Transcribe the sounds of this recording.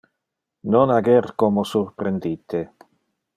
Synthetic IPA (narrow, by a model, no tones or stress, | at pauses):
nonaɡɛɾt̪komosuɾpɾend̪it̪e